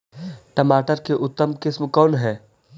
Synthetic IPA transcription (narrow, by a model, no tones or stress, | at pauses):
ʈɐmaːʈəɾkeʔʊt̪ːəmkɪsmkɔːnɦɛː